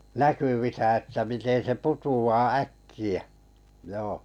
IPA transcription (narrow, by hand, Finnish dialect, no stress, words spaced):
nækyʋisæ etːæ miten se putuɑː ækːiæ̥ joː